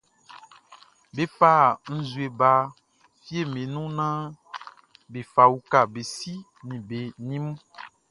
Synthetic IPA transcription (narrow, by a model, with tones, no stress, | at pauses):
be˦˨fa˦˨n̩˦zu˨e˨ba˦ | fi˦e˦˨me˨nũ˦nã˦ | be˨fa˨wu˦ka˨be˨si˦ | nĩ˨be˨nĩ˦mũ˦